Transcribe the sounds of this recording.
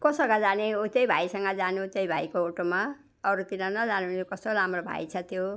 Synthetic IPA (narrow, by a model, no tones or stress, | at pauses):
kosʌɡʌd͡zaneɦot̪jʌjbʱaisʌŋɡʌd͡zanut̪jʌjbʱaikooʈoma | ʌɾut̪inʌnʌd͡zanut̪jokʌst̪olamrobʱa̰it͡sʰʌt̪jo